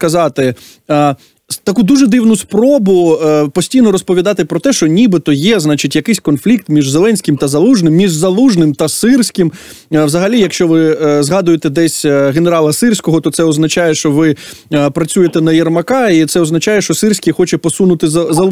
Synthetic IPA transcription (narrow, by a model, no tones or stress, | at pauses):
kɐzɑt̪ɪ | t̪ɐkud̪uʒɛd̪ɪwnʊspɾɔbʊpɔsʲtʲijnɔɾɔspɔʋʲid̪ɑt̪ɪpɾɔt̪ɛʃt͡ʃɔnʲibɪt̪ɔjɛznɑt͡ʃɪtʲjɐkɪsʲkɔnflʲikt̪mʲiʒzelˠɛnʲsʲkʲɪmt̪ɐzɐlˠuʒnɪmːʲiʒzɐlˠuʒnɪmt̪ɐsɪrsʲkɪm | ʋzɐɦɐlʲijɐkʃt͡ʃɔʋɪzɦɑd̪ʊjet̪ɛd̪ɛsʲɦeneɾɑlˠɐsɪrsʲkɔɦɔt̪ɔt̪sɛɔznɐt͡ʃɑjɛʃt͡ʃɔʋɪ | pɾɐt͡sʲujet̪ɛnɐjɛrmɐkɑit̪sɛɔznɐt͡ʃɑjɛʃt͡ʃɔsɪrsʲkʲixɔt͡ʃɛpɔsunʊt̪ɪzɐzɐ